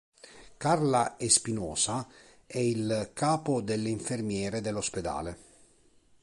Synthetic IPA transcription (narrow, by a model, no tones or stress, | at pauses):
karlaespinɔːsa | ɛilkaːpod̪elːiɱfermjɛːɾed̪elːosped̪a̰ːle